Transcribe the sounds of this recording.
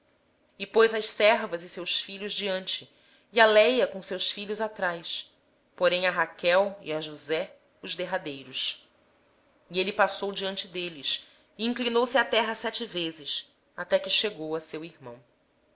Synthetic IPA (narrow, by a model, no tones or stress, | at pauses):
ɪpojzɐʃsɛɾvɐzɪsewsfiʎʊzd͡ʒiɐ̃nt͡ʃɪ | ialɛjɐkõsewsfiʎʊzat̪ɾajs | poɾẽj̃ɐɦakɛwḭɐʒuzɛ | ʊzd̪eɦad̪ejɾʊs | ielipasowd͡ʒiɐ̃nt͡ʃɪd̪elɪs | iĩŋklinowsɪat̪ɛɦɐsɛt͡ʃɪvezɪs | at̪ɛkɪʃeɡowɐsewiɾmɐ̰̃w̃